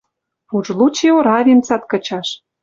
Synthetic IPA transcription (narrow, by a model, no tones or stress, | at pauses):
puʒlut͡ɕeoɾɑβint͡sɑt̪kə̆t͡ɕɑʃ